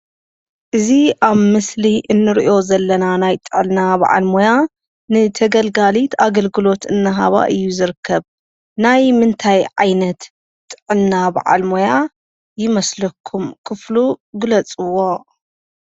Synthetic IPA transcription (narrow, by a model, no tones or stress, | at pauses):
ʔɨziʔaβmɨsliʔɨnːɨɾiʔo̞zɐlːɐnanajt̪ʼɨʕɨlnaba̰ʕa̰lmoja | nɨt̪ʰɐɡɐlɡalit̪ʰaɡɐlɡɨlo̞t̪ɨnːɨɦa̰βa̰ʔɨjːuzɨɾɨkʰːɐβ | najmɨnt̪ʰajʕa̰jnɐt̪ | t̪ʼːɨʕɨnnaba̰ʕʔa̰lmoja | jɪmɐslɐkʰːumkʰɨfluɡɨlɐt͡sʼɨwːo̞